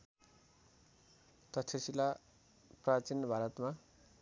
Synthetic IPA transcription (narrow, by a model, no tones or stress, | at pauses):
t̪ʌt̪ʰesila | prat͡sinːʌbʱaɾʌt̪ma